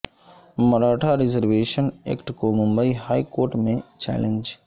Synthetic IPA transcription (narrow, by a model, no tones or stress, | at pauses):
mɐɾaːʈʰaɾɪzəɾʋeːʃənḛːkʈkomʊ̃mbəiɦaːikoːɾʈmẽt͡ʃɛ̰ːlend͡ʒ